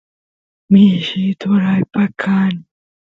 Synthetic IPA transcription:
miʃit̪ʊɾajpakʰani

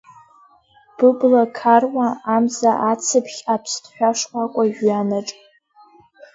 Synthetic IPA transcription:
b̥ɨblakʰarwaːmzaʔat͡sʰɨpʰχʲapʰstʰʼħʷᶣaʂkʷakʷʼaʒɥanaʈ͡ʂʼ

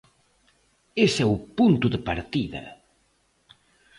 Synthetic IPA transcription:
esɛupunt̪ʊðepaɾt̪iðɐ̰

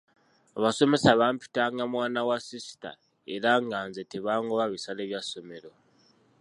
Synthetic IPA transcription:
aβaso̞me̞saβaːmpi̥taŋɡamwaːnawasisi̥ta̰ | eɾaŋɡanzeteβaːŋɡoβaβisale̞ːβjaso̞me̞ɾo̞

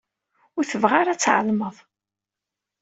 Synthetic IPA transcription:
ʊɾθəvʁaɾat͡sːʕə̰lməðˤ

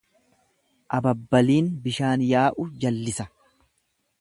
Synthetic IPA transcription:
ʔɐbɐbːɐliːnbɪʃaːnjaːʔʊd͡ʒɐlːɪsɐ

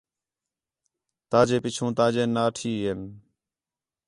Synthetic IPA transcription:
t̪aːd͡ʒeːpɪt͡ʃʰũːt̪ãːd͡ʒeːnaːʈʰiːen

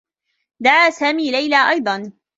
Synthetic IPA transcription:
d̪aʕaːsaːmiːlajlaːʔɑjd̪ˤɑn

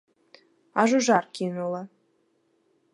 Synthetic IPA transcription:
ɑʒuʒɑrkinulˠɤ̆

